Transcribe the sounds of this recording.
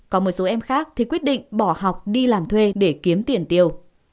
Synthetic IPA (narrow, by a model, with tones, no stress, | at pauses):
kɔ˨˦mo˨˩t̚so˨˦ʔɛ˧mxaː˦˥k̚t̪ʰi˨˩kwət̚ɗḭ˧˨ŋ̟ɓɔ˧˩ha˨˩wk͡p̚ɗi˧laː˨˩mt̪ʰwe˧ɗe˧˩ki˨˦əmt̪i˨˧˩ənt̪i˨˩əw